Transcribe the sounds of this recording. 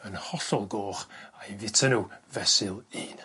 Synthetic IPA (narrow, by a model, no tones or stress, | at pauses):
ənhɔɬɔlˠɡoːχajvɪtʰənuvɛsɪlˠiːn